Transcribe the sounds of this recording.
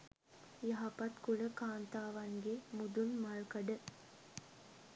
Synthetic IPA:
jɐɦɐpɐt̪kuɭəkaːnt̪aːʋɐŋɡemud̪unmaɭkɐɖə

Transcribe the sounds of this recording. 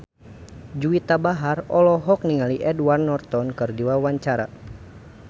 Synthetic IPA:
d͡ʒuit̪abaɦarɔlɔɦɔk̚niŋaliʔɛdwarnɔrt̪ɔnkɨrdiwawaɲt͡ʃaɾa̰

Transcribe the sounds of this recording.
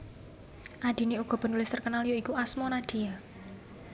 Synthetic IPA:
ʔad̪̥i̤neuɡ̥ɔ̤b̥ə̤nulɪst̪ərkənalijoikuasmɔnad̪̥i̤ja

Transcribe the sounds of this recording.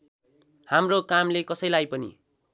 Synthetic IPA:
hamrokamlekʌsʌjlajpʌnḭ

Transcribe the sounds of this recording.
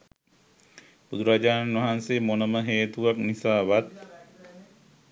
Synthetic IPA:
bud̪uɾaːd͡ʒaːnanʋaɦanseːmonəməɦeːt̪uʋaknisaːʋat̪

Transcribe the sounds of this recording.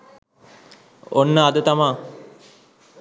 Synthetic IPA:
onːəad̪ət̪amaː

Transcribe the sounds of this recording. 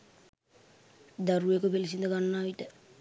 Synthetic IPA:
d̪aɾuekəpelisind̪əɡanːaːʋiʈə

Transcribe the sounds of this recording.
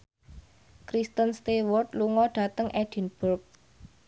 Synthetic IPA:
kɾist̪ənst̪ewɔrt̪̚luŋɔɖ̥a̤t̪əŋʔɛd̥i̤nb̥urk̚

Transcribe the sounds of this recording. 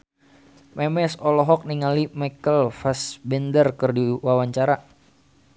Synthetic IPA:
mɛmɛsɔlɔɦɔk̚niŋalimajkəlfasbɛndərkɨrdiwawaɲt͡ʃaɾa

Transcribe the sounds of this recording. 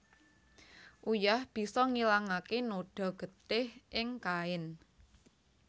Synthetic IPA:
ʔujahb̥i̤sɔŋilaŋakenoɖ̥ɔ̤ɡ̥ə̤t̪ɪhʔɪŋkaɪn

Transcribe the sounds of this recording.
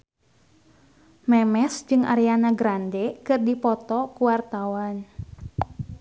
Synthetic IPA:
mɛmɛsd͡ʒɨŋʔa̰ɾianaɡɾandɛkɨrdipɔt̪ɔkuwart̪awan

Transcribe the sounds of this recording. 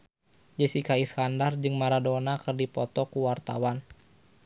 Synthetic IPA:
d͡ʒəsikaiskandard͡ʒɨŋmaɾadɔnakɨrdipɔt̪ɔkuwart̪awan

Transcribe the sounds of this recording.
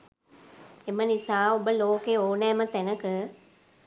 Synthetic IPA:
emənisaːobəloːkeoːnɛːmət̪ænəkɨ

